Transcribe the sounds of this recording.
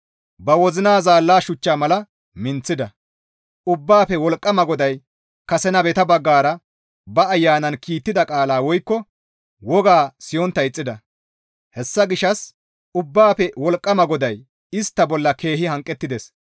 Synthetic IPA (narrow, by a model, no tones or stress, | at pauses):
bɐwɔzɪnaːzaːlːaːʃʊt͡ʃːaːmɐlɐ | mɪnt͡sːɪd̪ɐ | ʔʊbːaːpɛwɔlkʼːɐmɐɡɔd̪ɐj | kɐsɛnɐbɛt̪ɐbɐɡːaːɾɐ | bɐːjːaːnɐnkʰiːt̪ːɪd̪ɐkʼaːlaːwɔjkːɔ | wɔɡaːsɪjɔnt̪ːɐɪt͡sʼːɪd̪ɐ | hɛsːɐɡɪʃɐs | ʊbːaːpɛwɔlkʼːɐmɐɡɔd̪ɐj | ɪst̪ːɐbɔlːɐke̞ːhɪhɐŋkʼːɛt̪ːɪd̪ɛs